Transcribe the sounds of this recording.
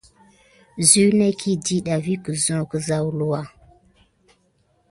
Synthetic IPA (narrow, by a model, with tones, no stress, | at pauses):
zu˦ne˦kʰi˦di˦ɗa˨vi˦kə˨zɔ̃˦kə˨za˦wlu˦wa˦